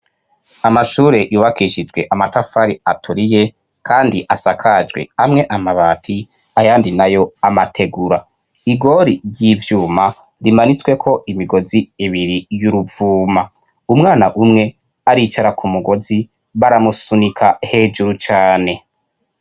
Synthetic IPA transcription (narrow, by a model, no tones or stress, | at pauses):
amaʃuːɾe̞juːβakiʃid͡ʒwe̞ʔamatafaɾiatʰuɾije̞ | kʰaːndiʔasakʰad͡ʒɡwe̞̰amŋe̞ʔamaβatʰi | ajaːndinajo̞amatʰe̞ɡuɾa | iɡo̞ɾiɾjiːvjuːma | ɾimanit͡swe̞kʰo̞ʔimiɡo̞ziiβiɾijuɾuvuːma | umŋaːnaʔumŋe̞ | aɾit͡ʃaɾakʰumuɡo̞zi | βaɾamusunikʰahe̞ːd͡ʒuɾut͡ʃaːne̞